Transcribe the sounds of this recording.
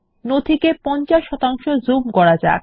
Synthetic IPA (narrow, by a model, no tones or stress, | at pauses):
not̪ʰikepɔnt͡ɕaʃːɔt̪aŋʃod͡ʑumɡɔɽad͡ʑa̰k̚